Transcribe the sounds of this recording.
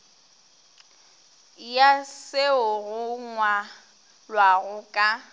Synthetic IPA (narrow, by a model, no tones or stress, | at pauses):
jaseʊɣʊŋwa | lwaɣʊkʼa